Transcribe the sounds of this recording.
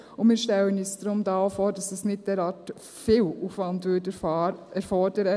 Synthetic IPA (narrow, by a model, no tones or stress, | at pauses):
ʊmɪːɾʃtɛlənyːsd̥ɾʊmdɑːfoːɾdɑsɑsnɪt̚d̥ɛːɾɑːɾt | fɪluːfʋɑndʋʏdɛɛɾfɔɾdəɾə